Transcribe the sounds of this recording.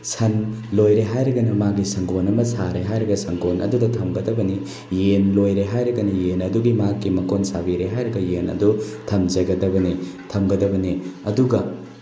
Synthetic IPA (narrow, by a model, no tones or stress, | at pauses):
sɐnlojɾeɦajɾɐɡɐnɐmaɡisɐŋɡʰonɐmɐsaɾeɦajɾɐɡɐsɐŋɡʰonʔɐ̰dudɐtʰɐmɡɐdɐbɐni | jenlojɾeɦajɾɐɡɐnɐjenɐduɡimakːimɐkonsabiɾeɦajɾɐɡɐjenɐ̰dutʰɐmd͡ʒɐɡɐdɐbɐnitʰɐmɡɐdɐbɐniɐduɡɐ